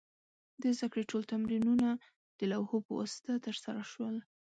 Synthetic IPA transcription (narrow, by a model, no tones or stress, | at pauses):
d̪əzd̪akɽeʈolt̪amɾinuna | d̪̥əlawhopəwa̰sɪ̥t̪at̪əɾsaɾaʃwəl